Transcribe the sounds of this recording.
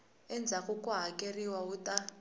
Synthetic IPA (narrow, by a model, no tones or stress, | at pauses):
ɛnd͡zʱakukuɦakʼeriwauta